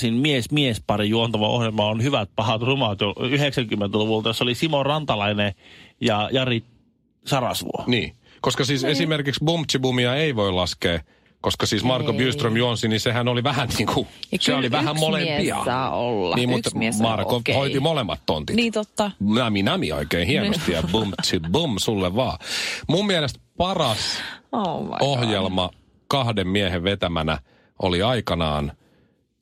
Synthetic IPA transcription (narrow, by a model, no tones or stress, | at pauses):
sinmiesmiespɑrijuont̪ɑʋɑʔo̰hjelmɑonhyʋæt̪̚pɑhɑt̪rumɑt̪joyheksæŋkymːent̪æluʋult̪ɑjosːolisimorɑnt̪ɑlɑinejɑjɑrit̪ | sɑrɑsʋṵo̰nḭː | koskɑsiːsesimerkiksbumpt̪sibumiɑeiʋoilɑskeː | koskɑsiːsmɑrkobjyːst̪romjuonsinisehænoliʋæhænniːŋkʰuseoliʋæhæmmolempiɑ̰ɑːolːɑ̰niːmmut̪mɑrkohoiimolemːɑt̪tont̪init̪ot̪ːɑnæminæmio̰ikeinhiennost̪ijɑbumt͡ʃibumsulːeʋʋɑːmummielest̪̚pɑrɑso̰ohjelmɑ | kɑhdemmieheʋʋet̪æmænæ̰ | ʔo̰liɑikɑnɑ̰ːn